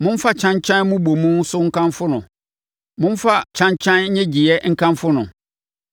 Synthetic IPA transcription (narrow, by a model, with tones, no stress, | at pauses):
mʊ̃˦n˦fa˦t͡ɕʰã˦ɲt͡ɕʰã˦n˦mũ˦bo˨mũ˦n˦sʊ˦ŋ̩˦kʰã˦mfʊ˦nʊ̃˨ | mʊ̃˦fa˦t͡ɕʰã˦ɲt͡ɕʰã˦n˦ɲɛ̃˦d͡ʑi˨ɛ˦ŋ̩˦kʰã˦mfʊ˦nʊ̃˨